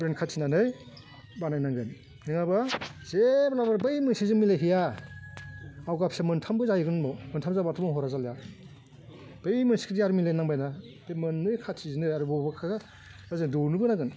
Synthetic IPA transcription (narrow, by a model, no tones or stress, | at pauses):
bɾenkʰatsʰinanɯj | banajnaŋɡɯn | niŋabazeblabaɾbɯjmɯnsizɯŋmilajɦija | awɡapsamɯntʰambɯzajiɡɯnmɔmɯntʰamzabatʰumɔɦɔɾazalja | b̥ɯjmɯnsi̥kʰidijaɾmilajnaŋbajna | b̥emɯnːɯjkʰasizinɯjaɾubɔbakʰaɡa | lazendunubɯnaɡɯn